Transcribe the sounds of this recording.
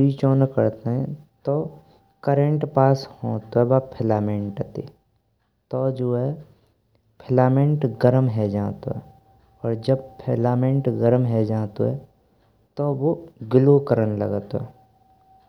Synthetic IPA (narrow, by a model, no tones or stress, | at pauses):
ɾit͡ʃoːnkəɾt̪eɦɛ̰̃t̪o | kəɾə̃ɳʈpaːshõːt̪oɛbaːpʰɪlaːmẽɳʈt̪e | t̪ɔd͡ʒoːɦɛ | pʰɪlaːmẽɳʈɡəɾəmɦɛd͡ʒãːt̪o̰ɦɛ̰ | ɔːɾd͡ʒəb̚pʰelaːmẽɳʈɡəɾəmɦɛd͡ʒãːt̪oɦɛ | t̪owoɡɪlokəɾənlə̰ɡət̪oɦɛː